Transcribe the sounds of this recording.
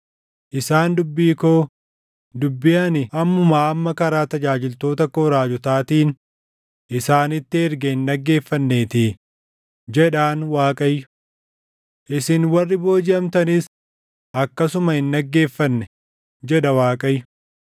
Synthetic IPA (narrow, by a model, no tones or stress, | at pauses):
ʔɪsaːnd̪ʊbːiːkoː | d̪ʊbːɪjɐnɪɐmːʊmaːɐmːɐkɐɾaːt̪ɐd͡ʒaːd͡ʒɪlt̪o̞ːt̪ɐkːɔɾaːd͡ʒʊt̪aːt̪iːn | ʔɪsaːnɪt̪ːɪɛɾɡɛhɪnːɐɡːe̞ːfːɐnːe̞ːt̪ɪ | d͡ʒɛᶑaːnwaːkʼɐjːʊ̥ | ʔɪsɪnwɐrːɪbo̞ːd͡ʒɪɐmt̪ɐnɪs | ʔɐkːɐsʊmɐhɪnːɐɡːe̞ːfːɐnːɛ | d͡ʒɛᶑɐwaːkʼɐjːʊ̥